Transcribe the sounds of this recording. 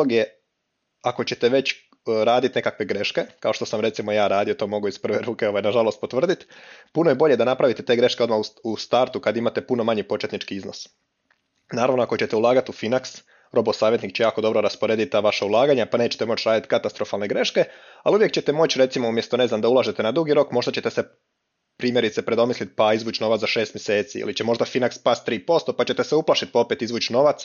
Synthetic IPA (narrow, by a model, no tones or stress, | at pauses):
oɡje̞ | ako̞t͡ɕet̪e̞ʋe̞t͡ɕ | ɾaːd̪it̪ne̞kakʋe̞ɡɾe̞ʃke̞kao̞ʃt̪o̞samɾe̞t̪simo̞jaːɾaːd̪ijot̪o̞ːmo̞ɡuizpr̩ʋe̞ɾuːkeo̞ʋajnaʒalˠo̞st̪̚po̞t̪ʋr̩d̪it̪puno̞je̞bo̞ʎe̞d̪anapɾaʋit̪et̪e̞ːɡɾe̞ʃkeo̞d̪mauust̪aɾt̪ukad̪imat̪e̞puno̞maɲipo̞t͡ʃe̞t̪nit͡ʃkiizno̞s | naːɾaʋnoako̞t͡ɕe̞t̪e̞ulˠaːɡat̪ufinaks | ɾo̞bosaːʋjet̪nikt͡ɕejaːko̞d̪o̞bɾo̞ɾaspoɾe̞ːd̪it̪t̪aːʋaʃaulˠaːɡaɲapane̞ːt͡ɕet̪emo̞t͡ɕɾaːd̪it̪kat̪ast̪ɾo̞falˠne̞ɡɾe̞ʃke̞aliuʋje̞k̚t͡ɕe̞t̪e̞mo̞t͡ɕɾe̞t̪simoumje̞st̪o̞ne̞znamd̪aulˠaʒe̞t̪e̞nad̪ɾuɡiɾo̞kmo̞ʒd̪at͡ɕe̞t̪ese̞ | pɾiːmje̞ɾit̪se̞pɾed̪o̞mislit̪̚paizʋuːt͡ɕno̞ʋat̪aʃe̞ːst̪mje̞se̞ːt̪sḭḭlit͡ɕe̞mo̞ʒd̪afinakspast̪ːɾiːpo̞st̪o̞pat͡ɕe̞t̪e̞seuplaʃit̪̚pao̞pet̪izʋuːt͡ɕino̞ʋat̪s